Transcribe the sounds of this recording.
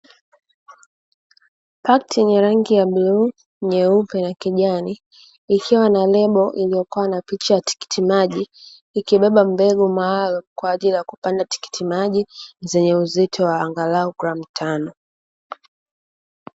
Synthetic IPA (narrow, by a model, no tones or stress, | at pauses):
paktjɛɲɛɾaŋɡijaɓlu | ɲɛupɛnakiʄaniː | kʰiwanalɛɓɔʔilijɔkuwanapit͡ʃajati̥ki̥tʰimaʄiː | kiɓɛɓam̩bɛɡumaalumkwaːʄilijaku̥pandati̥ki̥tʰimaʄizɛɲɛuzitʰɔwaːŋɡalauɡɾam̩tʰanɔ